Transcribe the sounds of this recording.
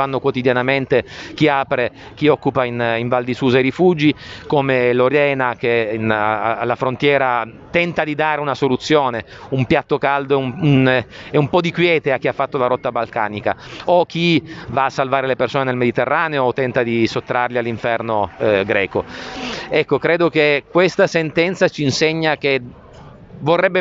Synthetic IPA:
anːokwot̪id̪janament̪ek̟iaːpɾe | k̟iɔkːupainiɱvald̪isuːzaiɾifud͡ʒikomeloɾjɛːnak̟enalːafɾont̪jɛːɾa | t̪ɛnt̪ad̪id̪aːɾeunasolut̪sːjoːne | umpjat̪ːokald̪ounɛumpɔd̪ikwjɛːt̪eak̟ːiafːat̪ːolaɾɔt̪ːabalka̰ːnika̰ok̟ːivaːsːalvaːɾelepersoːnenelmed̪it̪erːaːneoːt̪ːɛnt̪ad̪isot̪ːɾarlialːiɱfɛrnoɡɾɛːko | ɛkːokɾeːd̪okekːwest̪asent̪ɛnt̪sat͡ʃiːnseɲːak̟e | vorːɛbːe

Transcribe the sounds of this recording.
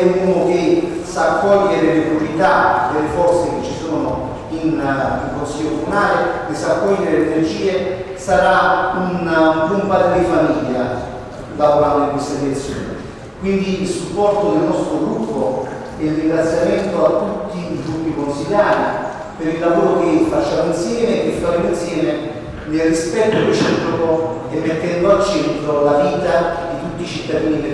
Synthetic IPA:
uːnok̟esakːɔʎːeɾelpɾjoɾit̪ad̪elefɔrt̪sek̟et͡ʃːisoːnʊ | iniŋkonsiʎːokomunaːlekesːakːɔʎːeɾeleɾed͡ʒiːe | saɾaunpumpad̪elːɪfamiʎːa | d̪ad̪oɾand̪ikwest̪alet̪sːjo̰ːnḛ | kwind̪iilsupːɔrt̪od̪elnɔst̪ɾoɡɾupːo | eilriŋɡɾat̪sːjament̪oat̪ːut̪ːiːɡɾupːikonsiʎjaːɾi | peɾilːavoːɾokefːat͡ʃːaːmoinsjɛːmeːkːefaɾemoinsjɛːme | nelrːispɛt̪ːorɾet͡ʃiːpɾoko | ɛmːet̪ːɛnd̪oalt͡ʃːɛnt̪ɾolaviːt̪ad̪it̪ut̪ːit͡ʃit̪ːad̪iːni

